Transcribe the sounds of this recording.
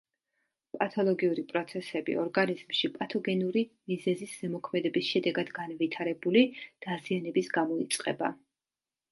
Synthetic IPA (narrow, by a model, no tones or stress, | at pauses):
pʼat̪ʰɔlˠɔɡiuɾipʼɾɔt̪sʰɛsɛbḭɔɾɡaniz̥mʃipʼat̪ʰɔɡɛnuɾimizɛzisz̥ɛmɔkʰmɛd̪ɛbisʃɛd̪ɛɡad̪ɡanvit̪ʰaɾɛbulid̪̥azianɛbisɡamɔit̪sʼqʼɛ̰ba̰